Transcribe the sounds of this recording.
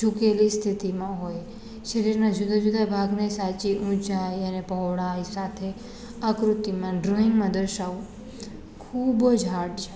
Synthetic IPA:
d͡ʒukelist̪ʰit̪imãɦoj | ʃəɾiɾnãd͡ʒud̪ad͡ʒud̪ʱabʱaɡnesat͡ʃiʔũt͡ʃajənepəɦʋɽajsat̪ʰe | akɾut̪ːimãɖɾoɪŋɡmãd̪əɾʃau | kʰubəd͡ʒɦaʈt͡ʃʰe̥

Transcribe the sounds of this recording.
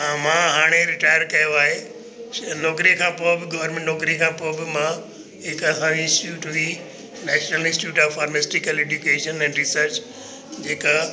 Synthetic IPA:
ãmãːɦaːɽ̃eɾɪʈaːjəɾkɐjoaːɦe | nɔːkɾiə̃kʰãːpoːbɪɡɐʋəɾmẽɳʈnɔːkɾĩkʰãːpoːbɪmã | ɦɪkɐsãːʋɪ̃sʈjuːʈʋi | nɛːʃnəlɪ̃nsʈjuːʈaːffaːɾmesʈɪkəleːd͡ʒukeːʃənɛ̃ːɳɖɾɪsəɾt͡ɕ | d͡ʑeːka

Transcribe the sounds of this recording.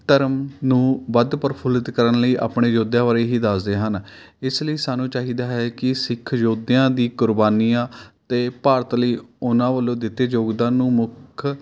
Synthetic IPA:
t̪əɾəmnũːʋəd̪pəɾpʰʊlɪt̪kəɾənləiːʔa̰ːpɳeːd͡ʒoːd̪jãːʋaːɾeːɦiːd̪aːsd̪eːɦən | ɪsləiːsaːnũːt͡ʃaːɦiːd̪aːɦɛːkɪsɪkʰd͡ʒoːd̪ejãːd̪iːkʊɾbaːniːãːt̪eːpaːɾət̪ləiːʊnãːʋəlːõːd̪ɪt̪ːeːd͡ʒoːɡd̪ãːnũːmʊkʰ

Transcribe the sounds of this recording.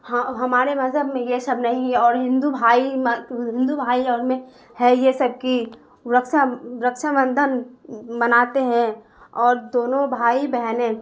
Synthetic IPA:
haɦɐmaːɾemɐzɦəbmẽjesɐbnɐɦĩɔːɾɦɪ̃nd̪ubʱaːimɦɪ̃nd̪ubʱaːiɔːɾmẽ | hɛjesɐb̚ki | ɾəkʃaɾəkʃaʋə̃nd̪ʱənbɐnaːt̪eɦɛ̃ | ɔːɾd̪oːnõbʱaːibɛɦnẽ

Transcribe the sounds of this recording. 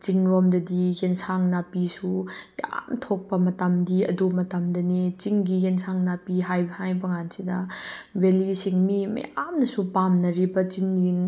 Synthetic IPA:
t͡ʃiŋɾɔmdɐdiɡensʰaŋnapisuja̰mtʰok̚pɐmɐtamdiɐ̰dumɐtamdɐnet͡ʃiŋɡiɡensʰaŋnapiɦajbhajbɐŋansidɐwelisiŋmimɐ̰jamnɐsupamnɐɾibɐt͡ʃiŋːiŋ

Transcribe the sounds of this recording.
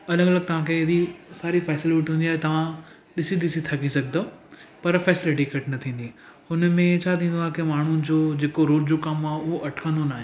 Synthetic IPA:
ɐləɡɐləɡ̚t̪ɐʋ̤ãːkʰeɦɪd̪isaːɾifɛːsɪlɪʈiɦũːnd̪iaːɦet̪ɐʋ̤ã | ɗɪsid̪ɪsit̪ʰɐkisɐɡʱd̪opɐɾfɛːsɪlɪʈikɐʈnɐt̪ʰĩːn̆d̪i | ʊnmẽt͡ɕʰaːt̪ʰĩːnd̪aːɦkemaːɳ̤unɪ̆d͡ʑoːd͡ʑeːkoɾoːʈd͡ʑokɐmaːɦʊɦoʔɐʈʰkʰə̃nd̪onaːɦẽn

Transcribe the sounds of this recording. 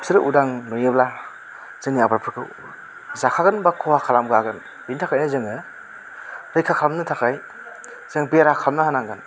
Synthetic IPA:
siɾɯʔudaŋnɔjɯbla | z̥ɯŋniabaɾpʰɯɾkʰɯw | zakʰaɡɯnbakʰɔwakʰalamɡɯaɡɯn | bintʰakʰajnɯzɯŋɯ | ɾɯjkʰakʰalmnɯtʰakʰaj | z̥ɯŋbeɾakʰalmnɯhanaŋɡɯn

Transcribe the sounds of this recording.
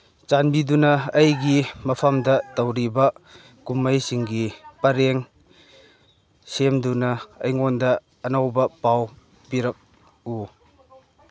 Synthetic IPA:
t͡ʃanbidunɐːjɡimɐpʰɐmdɐtɐwɾibɐ | kumːɐjsiŋɡipɐɾeŋ | semdunɐɐjŋondɐː | nawbɐpaw | piɾɐk̚ | u

